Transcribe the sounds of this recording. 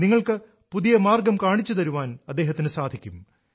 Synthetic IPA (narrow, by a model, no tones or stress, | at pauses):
niŋːɐɭkɨ | puðijɐmaːrɡɐmkaːɳit͡ɕːut̪ɐɾuʋaːnɐd̪ːe̞ːɦɐt̪ːinɨsaːd̪ʱikʲːum